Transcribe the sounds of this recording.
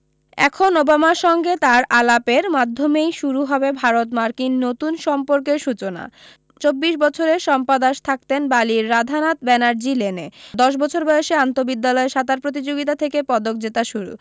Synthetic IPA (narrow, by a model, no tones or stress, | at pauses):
ɛ̰kʰonobamaʃɔŋɡet̪aɾʔalapeɾmad̪ʱːomejʃuɾuɦɔbebʱaɾot̪maɾkinːot̪unʃɔmpoɾk̬eɾʃut͡ɕona̰ | t͡ɕobːiʃbɔt͡ɕʰoɾeʃɔmpad̪aʃt̪ʰak̚t̪enbaliɾːad̪ʱanat̪bɛnaɾd͡ʑilened̪ɔʃ̬bɔt͡ɕʰoɾbɔeʃeant̪obid̪ːalɔeʃat̪aɾpɾot̪̬id͡ʑoɡit̪at̪ʰekepɔd̪ok̚d͡ʑet̪aʃuɾṵ